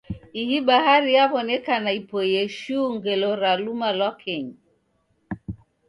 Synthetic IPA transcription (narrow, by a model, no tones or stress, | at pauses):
ihiɓahaɾiaβɔnɛkanaipɔjɛʃuŋɡɛlɔɾalumalwakʰɛɲi